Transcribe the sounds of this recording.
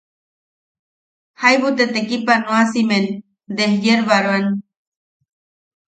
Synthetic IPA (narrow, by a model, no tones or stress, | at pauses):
hajβut̪et̪ekipanoasimen | d̪ehjeɾβaɾwan